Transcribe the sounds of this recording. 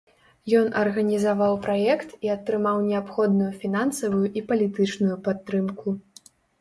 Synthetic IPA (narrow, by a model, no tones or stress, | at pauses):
jɔnʔɐrɣɐnʲizavawpɾajɛkt̪iɐt̪ːɾɨmawnʲɛapxɔd̪nujufʲinansɐvujuʔipɐlʲit̪ɨt͡ʂnujupat̪ːɾɨmku